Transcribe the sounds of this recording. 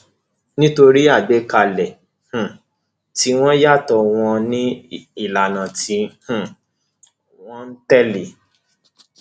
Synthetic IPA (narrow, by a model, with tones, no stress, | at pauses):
nĩ˦to˧ɾi˦a˦˨ɡ͡be˨˦ka˧˨lɛ˨ | h̩˨ | ti˦w̃ɔ̃˦ja˦˨tɔ˧w̃ɔ̃˧nĩ˦i˦˨la˨nã˨ti˧h̩˦˨ | w̃ɔ̃˦n̩˦tɛ˦li˨